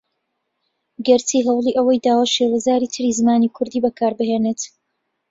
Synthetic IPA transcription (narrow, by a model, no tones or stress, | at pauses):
ɡɛɾtiːɦɛwlˠiːʔɐwɐjd̪aːwaːʃewazaːɾiːt̪ʰɨɾizɨmaːnikʰʊɾd̪iːbɐkʰaːɾbɨɦeːnet̪